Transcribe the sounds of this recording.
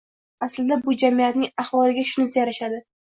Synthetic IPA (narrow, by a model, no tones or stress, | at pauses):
aslɪd̪abʊd͡ʒamijat̪nɪŋaχwɒlɪɡʲaʃʊnɪt̪ʰajaɾaʃad̪ɪ